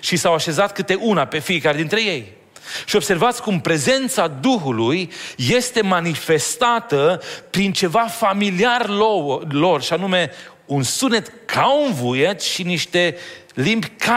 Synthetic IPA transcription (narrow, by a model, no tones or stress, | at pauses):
ʃisawaʃe̞zat̪̚kɨt̪e̞ʔunape̞fiekaɾed̪int̪ɾe̞je̞j | ʃiob̥se̞rvat̪sʲkumpɾe̞ze̞nt̪sad̪uxulujːe̞st̪e̞manife̞st̪at̪əpɾint͡ʃe̞vafamiliar | lo̞rʃianume̞ | unsunet̪kʰaunvujet̪ʃiniʃt̪e̞ | limbʲka